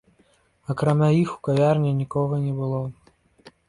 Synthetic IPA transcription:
ɐkɾamʲajixukavʲarnʲɛnʲikɔɣɐnʲɛbɨlˠɔ

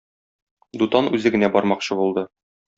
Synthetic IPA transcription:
d̪ut̪ɑnʉzɘɡɘ̆næbɒɾmɑqɕɤbulˠd̪ɤ

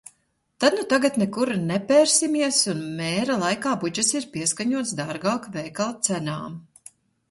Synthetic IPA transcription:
t̪ad̪nut̪aɡat̪nɛkuɾnɛpʲɛːɾsimiɛsunmɛːɾalˠajkaːbud͡ʒasiɾpiɛskaɲuɔt̪sd̪aɾɡaːkvɛːkalˠt̪sænaːm

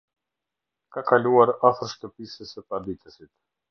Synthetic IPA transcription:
kakaluaɾafəɾʃt̪əpisəsəpaɾd̪it̪əsit̪

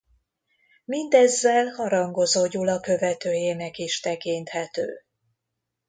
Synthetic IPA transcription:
mind̪ɛzːɛlhɒɾɒŋɡo̞zoːɟulɒkø̞vɛt̪øːjeːnɛkiʃt̪ɛkint̪hɛt̪ø̰ː

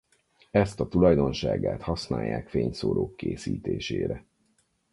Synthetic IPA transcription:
ɛst̪ɒt̪ulɒjd̪o̞nʃaːɡaːt̪hɒsnaːjːaːkfeːɲsoːloːkːeːsiːt̪eːʃeːɾɛ

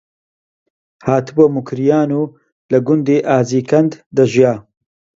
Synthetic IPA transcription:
haːt̪ɨbɐmʊkʰɾijaːnuː | lɐɡʊnd̪eːʔaːziːkʰɐnd̪d̪ɐʒjaː

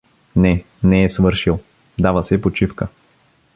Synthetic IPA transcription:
nɛ | nɛːsvɤɾʃilˠ | d̪avəsɛpot͡ʃifkə

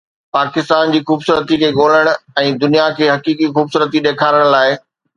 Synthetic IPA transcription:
paːkɪst̪aːnd͡ʑiːxuːbsuːɾət̪ikʰeːɠoːl̤əɽ̃ɛ̃ːd̪ʊnijakʰeːɦɐkiːkixuːbsuːɾət̪iɗeːkʰaːɾəɽ̃laːɪ

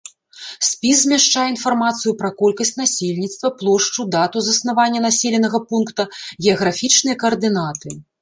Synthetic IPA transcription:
sʲpʲiszʲmʲɛʂt͡ʂajɛin̪farmat̪sɨjupɾɐkɔlʲkɐsʲt͡sʲnasʲelʲnʲit̪st̪vɐplˠɔʂt͡ʂud̪at̪uzɐsnavanʲːɐnasʲelʲɛnɐɣɐpunkt̪ɐɣʲɛɐɣɾafʲit͡ʂnɨjɐkɐɐrd̪ɨnat̪ɨ

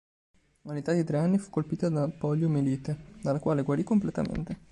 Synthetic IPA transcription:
unet̪ad̪it̪ɾeanːifu̥kːolpiːt̪ad̪apɔʎːomeliːt̪ed̪alːakwaːleɡwaɾikːomplet̪a̰mḛnt̪e

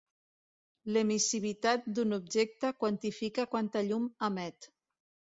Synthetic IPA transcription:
lemisiβit̪at̪̚d̪unubʒek̚t̪əkwant̪ifikakwant̪aʎumamɛt̪

